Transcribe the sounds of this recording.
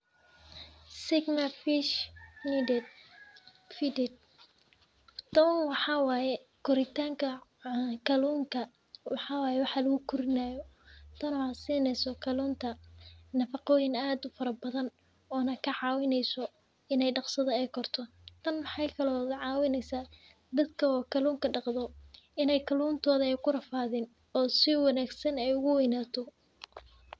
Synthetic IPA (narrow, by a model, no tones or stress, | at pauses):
sɪɡmɐfiʃnidɛ | fidɛd̪ | t̪ɐwwɑħɑwɑːjɛkʰʊɾɪt̪ʰaːŋkʰɐkʰɐluːŋkʰɐ | wɑħɑːwɑːjɛwɑħɑlɐɣʊkʰʊɾɪnaːjɔ | t̪ʰɐnɔɐsiːnɛjsɔkʰɐluːnt̪ʰɐnɐfɑqɔːjɪnaːd̪ʊfɐɾɐbɐðɐn | ɔːnɐkʰɐʕɑːwɪnɛjsɔ | ɪnɛjɖɑqsɐðɐɛjkʰɔrt̪ʰɔ | t̪ʰɐnmɑħɑjkʰɐlɔːðɐʕɑːwɪnɛjsaː | d̪ɐd̪kʰɐɔːkʰɐluːŋkʰɐɖɑqd̪ɔɪnɛjkʰɐluːnt̪ʰɔːðɐɛjkʰʊrɐfaːðɪn | ɔːsɪwɑnaːɡsɐnɛjʊɣʊwɛjnaːt̪ʰɔ